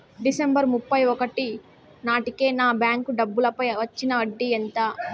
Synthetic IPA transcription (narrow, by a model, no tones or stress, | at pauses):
ɖisembɐɾmupːɐjɔkɐʈi | naːʈike̞ːnaːbjaːŋkuɖɐbːulɐpɐjʋɐt͡ʃːinɐɐɖːient̪a